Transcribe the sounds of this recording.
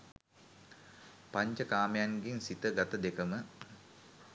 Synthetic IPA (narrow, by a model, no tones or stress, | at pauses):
paɲt͡ʃəkaːmejanɡinsit̪əɡat̪əd̪ekəmə